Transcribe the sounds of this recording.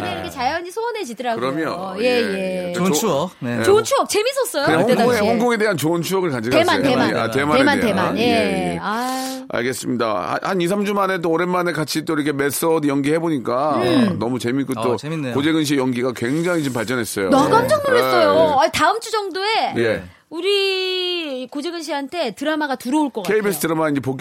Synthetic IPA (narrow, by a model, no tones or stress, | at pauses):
ineɾkʰeajʌɲisʰoʌned͡ʑidɯɾaɡkɯɾʌmjʌje̞jeoet͡ɕont͡ɕʰuʌk̚t͡ɕe̞mis͈ʰʌs͈ʌjoɯɲahoɡoŋehoŋɡoŋe̞de̞ɦant͡ɕoɯnt͡ɕʰuʌɡɯɭkad͡ʑiɡematemaa̰temaemantemanjea | a̰ɭɡe̞s͈ɯmɲida̰ha̰hanis̬ʰamd͡ʑumanet̬͈oːɾenmanekat͡ɕʰit͈oiɾʌkʰe̞me̞s͈ʌdjʌŋɡihe̞boɲik͈anʌmut͡ɕe̞mik͈ot͈okod͡ʑe̞ɡɯnɕ̬iejʌŋɡiɡakwe̞ŋd͡ʑaŋit͡ɕompaɭt͡ɕ͈ʌnɦe̞s͈ʌjonʌɡand͡ʑʌŋmuɾes͈ʌjoataɯmt͡ɕʰud͡ʑʌŋdoe̞je̞ | uɾi | kod͡ʑe̞ɡɯnɕ̬ʰiɦantʰe̞tɯɾamaɡatuɾʌoɭk͈ʌkʰeibes͈ʰɯ̥tʰɯɾamanind͡ʑep̬ok